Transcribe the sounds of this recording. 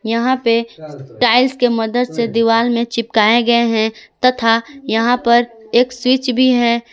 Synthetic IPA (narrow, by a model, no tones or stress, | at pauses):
jɐɦãpeʈaːɪlskemɐd̪əd̪sed̪iʋaːlmẽt͡ʃɪpkaːeɡɐeɦɛ̃t̪ɐt̪ʰajɐɦãpɐɾeːkswɪt͡ʃbʱiɦɛ̃ː